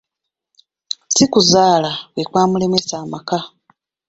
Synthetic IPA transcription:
sikuzaːlawekwaːmule̞me̞saːmaka

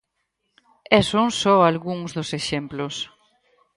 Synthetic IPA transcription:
ɛsoŋsɔalɣuŋzðʊseʃemplʊs

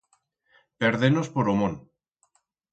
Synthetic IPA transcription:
peɾðenospoɾomõn

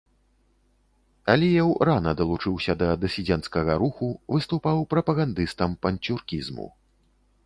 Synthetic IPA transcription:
ɐlʲijɛwranɐd̪ɐlˠut͡ʂɨwsʲɐd̪ɐd̪ɐsʲid͡zʲɛnskɐɣɐɾuxuvɨst̪upawpɾɐpɐɣand̪ɨst̪ɐmpɐnʲt͡sʲurkʲizmṵ

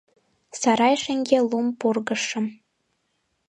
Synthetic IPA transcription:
sɑɾɑjʃĕŋɡʲelumpurɣə̆ʃə̆m

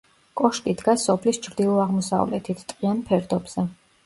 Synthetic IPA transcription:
kʼɔʃt̪ʼid̪ɡasɔpʰlist͡ʃʰɾd̪ilˠɔaʁmɔsa̰vlɛ̰t̪ʰit̪ʰt̪ʼqʼianpʰɛɾd̪ɔbz̥ɛ

